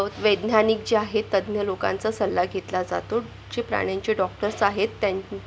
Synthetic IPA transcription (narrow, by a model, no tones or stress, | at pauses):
t̪ʋəd̪nanik̚d͡ʑeaɦet̪ːəd̪mjəlokã̰nt͡sasəlːaɡʱet̪lad͡za̰t̪o | d͡ʑepɾa̰ɽ̃aɲt͡ɕeɖɔk̚ʈəɾsaɦet̪ːja